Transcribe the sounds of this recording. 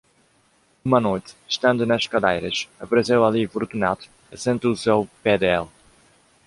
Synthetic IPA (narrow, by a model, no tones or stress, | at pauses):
umɐnojt̪ʃt̪ɐ̃nd̪unɐʃkɐd̪ejɾɐʃɐpɐɾɨsewɐlifuɾt̪unat̪u̥ | ɐsẽnt̪usewpɛd̪ɛlˠ